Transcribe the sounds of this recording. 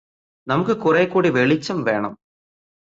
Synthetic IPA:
nɐmukːɨkʊrejkːuːɽiʋeɭit͡ɕːumʋe̞ːɳɐm

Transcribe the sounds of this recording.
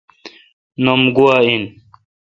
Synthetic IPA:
nomɡuwain

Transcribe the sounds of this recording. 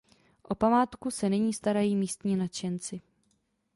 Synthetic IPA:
ʔo̞pamaːt̪kusɛnɪɲiːst̪aɾajiːmiːst̪ɲiːnat͡ʃɛnt͡sɪ

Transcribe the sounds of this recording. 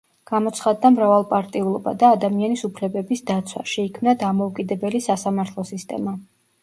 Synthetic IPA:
ɡ̥amɔt̪sχad̪ːamɾavalˠpʼaɾt̪ʼiulˠɔba̰d̪aːd̪amianisupʰlɛbɛbisd̪at̪sʰwa̰ʃɛikʰmnad̪amɔukʼid̪ɛbɛlisasamaɾt̪ʰlˠɔsist̪ʼɛ̰ma

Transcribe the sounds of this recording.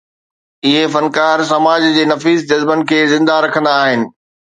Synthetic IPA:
ɪɦefɐnkaːɾs̬ɐmaːd͡ʑd͡ʑeːnɐfiːzd͡ʑɐzbənɪ̆kʰeːzɪ̃nd̪aɾɐkʰə̃nd̪aːɦɪnɪ̆

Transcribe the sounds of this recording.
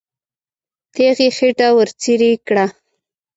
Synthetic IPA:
t̪eɣexeʈawəɾt͡siɾikɽa

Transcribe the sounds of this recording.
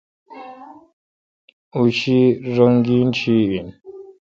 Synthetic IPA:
uʃiɾoŋɡint͡ʃiin

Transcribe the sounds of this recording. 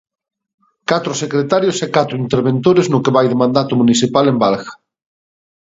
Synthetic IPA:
kat̪ɾʊsekɾet̪aɾjosɛkat̪ɾʊint̪eɾβent̪oɾeznʊkeβajðemãnd̪at̪ʊmunisipalembalɣɐ̥

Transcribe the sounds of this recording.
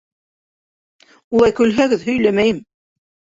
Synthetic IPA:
ulˠɑjkɵ̆lɦæɡɘðhɵ̆jlæmæjɘm

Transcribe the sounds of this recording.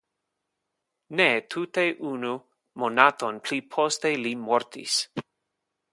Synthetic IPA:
net̪ʰuteʔunu | monatonpʰlipʰostelimoɾtʰḭs

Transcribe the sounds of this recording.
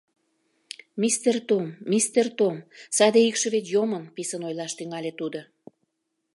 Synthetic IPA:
mist̪ert̪omːist̪ert̪omsɑd̪eikʃə̆βet̪jomənpisənojlɑʃt̪yŋɑlʲet̪ud̪o

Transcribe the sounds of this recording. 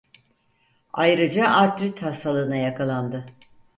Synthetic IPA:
ajɾɯd͡ʒaʔaɾt̪ɾit̪hast̪ʰalˠɯːnajakʰalˠand̪ɯ

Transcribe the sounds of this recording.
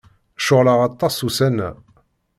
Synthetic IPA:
ʃʊʁləʁɑt̪ˤːɑsusænæ̰

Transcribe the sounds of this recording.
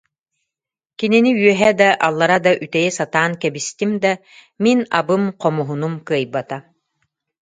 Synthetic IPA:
kininiyœɦɛd̪aʔalˠːaɾad̪aʔyt̪ɛjɛsat̪aːnkɛbist̪imd̪a | minabɯmqɔmuɦunumkɯɐjbat̪a

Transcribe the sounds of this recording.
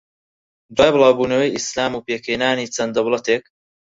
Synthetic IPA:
d̪waːjbɨlˠaːwbuːnɐwəjislaːmuːpeːkʰeːnaːniːt͡ʃʰɐnd̪ɐwlɐt̪eːk̚

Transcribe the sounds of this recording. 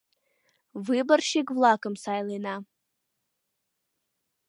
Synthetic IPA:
vɨbarʃeɡvlˠakʼɨmsajlena

